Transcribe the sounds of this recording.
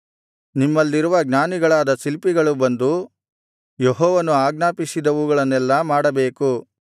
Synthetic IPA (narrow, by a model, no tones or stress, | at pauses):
nimːɐlːiɾuʋɐɡnaːniɡɐɭaːd̪ɐsilpiɡɐɭubɐnd̪u | jeɦɔːʋɐnuaːɡnaːpisid̪ɐʋuɡɐɭɐnɛlːɐmaːɽɐbeːku